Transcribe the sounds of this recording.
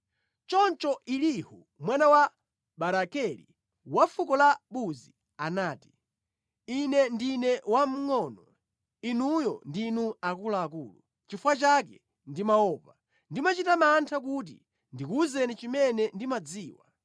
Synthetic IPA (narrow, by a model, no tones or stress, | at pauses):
t͡ʃɔnt͡ʃɔʔilihu | mwanawa | ɓaɾakɛlḭ | wafukɔlaɓuzi | anaːti̥ | inɛndinɛwam̩ŋɔnɔ | inujɔndinuakulaːkuːlu | t͡ʃifwat͡ʃak̬ɛ | ndimaɔːva | ndimat͡ʃitamantʰak̬ut̬ḭ | ndikuzɛnit͡ʃimɛnɛndimad͡ziːwa̰